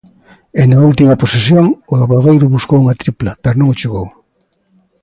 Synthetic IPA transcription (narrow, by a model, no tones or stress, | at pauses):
enault̪imɐposesjoŋʊlaβoɾðejɾʊβuskowuŋɐt̪ɾiplɐpɛɾonõŋot͡ʃeɣow